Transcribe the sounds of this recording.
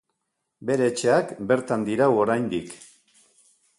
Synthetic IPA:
be̞ɾe̞ːt͡ʃe̞akbe̞ɾt̪and̪iɾawo̞ɾajnd̪ik

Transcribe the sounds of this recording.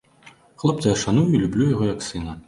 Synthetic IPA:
xlˠɔpt͡s̪ʲɐɐʂanujʊilʲublʲujaɣɔjɐksɨnɐ

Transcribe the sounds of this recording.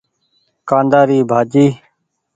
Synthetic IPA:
kãːnd̪aːɾiːbʱaːd͡ʒiː

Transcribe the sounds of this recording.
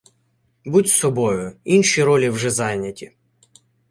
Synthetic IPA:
butʲsɔbɔjʊinʃiɾɔlʲiwʒɛzɑjnʲɐtʲi

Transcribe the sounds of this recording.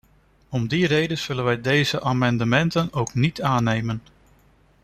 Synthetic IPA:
ɔmdirejdəz̥ɵlənʋɛjdejzəʔaːmɑndəmɛntənowknitaːnejmən

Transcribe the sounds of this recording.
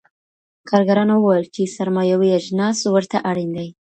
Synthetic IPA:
kʰɑɾɡaɾɑnowwajəlt͡ʃesaɾmɑjawijaʒnɑswəɾt̪aʔaɽind̪aj

